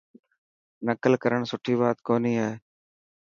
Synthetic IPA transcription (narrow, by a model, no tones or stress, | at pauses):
nəkəlkəɾəɳsʊʈʰiːbaːt̪koːniːɦɛː